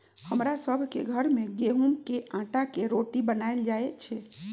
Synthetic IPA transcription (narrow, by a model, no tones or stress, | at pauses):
həmɾasəbʱkeɡʱəɾmeɡeɦumkeʔãʈakeɾoʈibənald͡ʒaet͡ʃʰɛ